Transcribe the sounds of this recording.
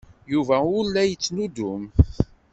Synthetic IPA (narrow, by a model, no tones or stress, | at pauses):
juvæʊlːæjət͡sːnud̪ʊm